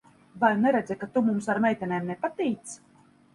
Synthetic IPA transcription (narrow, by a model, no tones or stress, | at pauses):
vajnɛɾɛd̪zɛkat̪umumsaɾmɛjt̪ʲɛnʲeːmnɛpat̪iːt̪s